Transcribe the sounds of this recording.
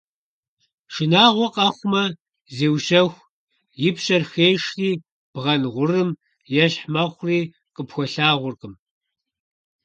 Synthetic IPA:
ʂɨnaːʁʷɔqʼɐχʷʊmɐ | zeːwɕɐxʷ | jɪpɕɐrxeːʂriː | b̥ʁɐnʁʷʊrɨm | jɛɕħmɐχʷriː | qʼəpxʷɔɬaːʁʷʊrkʼɨm

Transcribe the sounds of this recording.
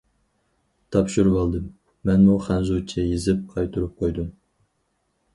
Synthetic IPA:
t̪ʰɑpʃuɾʁɑlˠd̪ɨmː | ɛnmuχænzut͡ʃʰːɛjezɪp̚qʰɑjt̪ʰuɾup̚qʰojd̪um

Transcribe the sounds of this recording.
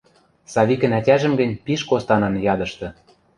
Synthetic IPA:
sɑβikə̆nætʲæʒə̆mɡə̆nʲpiʃkost̪ɑnɑnjɑd̪ɤ̆ʃt̪ɤ̆

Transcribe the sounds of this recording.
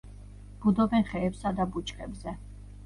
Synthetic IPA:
b̥ud̪ɔbɛnχɛːpsad̪abut͡ʃʰʼkʼɛbzɛ

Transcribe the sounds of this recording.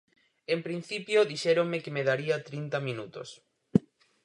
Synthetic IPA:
empɾin̟θipjoðiʃɛɾoŋmɪkemeðaɾiɐt̪ɾint̪ɐmĩnut̪o̰s

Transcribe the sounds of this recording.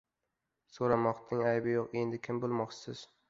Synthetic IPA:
soɾamɒqt̪ʰɪŋajbɪjoqe̞nd̪ɪkʲʰɪmbolˠmɒqt͡ʃʰɪ̥sɪz̥

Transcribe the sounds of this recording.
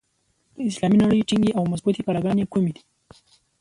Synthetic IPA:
d̪̥əɪslɑminaɽəjʈiŋɡeʔawmasbut̪ipalaɡɑnekumed̪i̥

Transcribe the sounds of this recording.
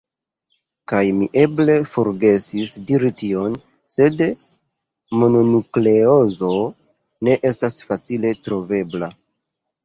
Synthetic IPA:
kajmiʔe̞ble̞fo̞ɾɡe̞sisdiɾitio̞n | se̞d | mo̞no̞nukle̞o̞zo̞ | ne̞ʔe̞stasfat͡sile̞tɾo̞ve̞bla

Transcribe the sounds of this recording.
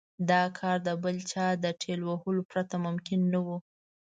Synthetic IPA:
d̪ɑkʰɑɾd̪əbəlt͡ʃɑd̪əʈʰelwahəlopɾat̪amʊmkɪnːawu

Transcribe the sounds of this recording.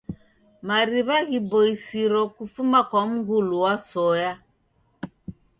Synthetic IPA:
maɾiβaɣibɔisiɾɔkufumakwam̩ɡuluwasɔja

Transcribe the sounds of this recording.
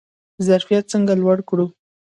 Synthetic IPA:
zaɾfijat̪̚t͡səŋɡalwaɽkɽu

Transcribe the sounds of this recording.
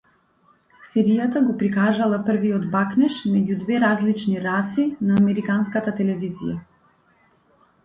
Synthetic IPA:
sɛɾijat̪aɡɔpɾikaʒalˠapr̩viɔd̪baknɛʃmɛɟud̪vɛɾazlit͡ʃniɾasinaːmɛɾikanskat̪at̪ɛlɛvizḭja

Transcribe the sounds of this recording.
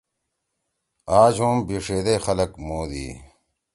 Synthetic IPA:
aːd͡ʑũːmbiʂeːd̪exɐlɐkmoːd̪ḭː

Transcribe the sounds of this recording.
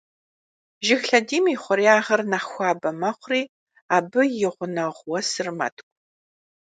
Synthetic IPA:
ʒɪxɬɐdiːmiːχʷʊɾiaːʁɐrnaχxʷɑːbɐmɐχʷriː | aːbɨjɪʁʷʊnɐʁʷwɔsɨrmɐ̰tʰkʷʼ

